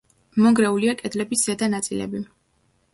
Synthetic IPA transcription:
mɔŋɡɾɛuliakʼɛd̪lɛbiszɛd̪anat̪sʼilɛ̰bi

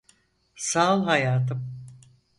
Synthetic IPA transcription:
saːlˠɦajaːt̪ʰɯm

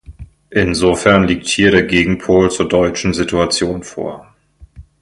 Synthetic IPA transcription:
ʔɪnzofɛɐnliːk̚thiːɐɾeːɐɡeːɡŋ̩pʰoːlt͡suːɐdɔʏt͡ʃn̩zituat͡sjoːnfo̰ːɐ

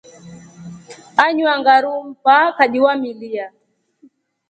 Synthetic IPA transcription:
aɲwaŋɡaɾum̩pakaɗiwamilia

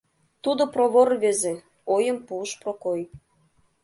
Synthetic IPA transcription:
t̪ud̪oproβorβeze | ojəmpuəʃprokoj

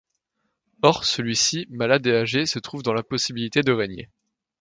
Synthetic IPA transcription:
ɔʁsəlɥisimalad̪eaʒesət̪χuvd̪ɑ̃lapɔsibilit̪ed̪əʁeɲḛ

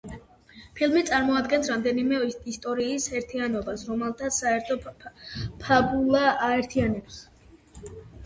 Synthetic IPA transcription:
pʰilˠmit̪sʼaɾmɔad̪ɡɛnsɾamd̪ɛnimɛist̪ʼɔɾiːsɛɾt̪ʰianɔbasɾɔmɛlˠt̪ʰasaɛɾt̪ʰɔ | pʰabulˠaːɛɾt̪ʰianɛps

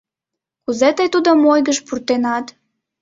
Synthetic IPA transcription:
kuzet̪əjt̪ud̪əmojɡəʃpurt̪enɑt̪

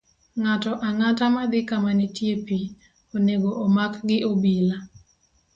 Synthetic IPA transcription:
ŋatɔʔaŋatamad̪ɪkamanitjepi | oneɡoʔomakɡɪʔobila

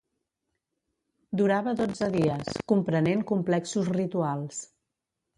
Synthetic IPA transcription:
d̪uɾaβ̞əðod͡zəðiəskumpɾəneŋkumplɛksuzrit̪ualˠs

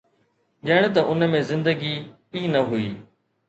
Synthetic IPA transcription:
ʄɐɪɽ̃t̪ɐʔʊnmẽzɪ̃nd̪əɡipiːnɐɦuiː

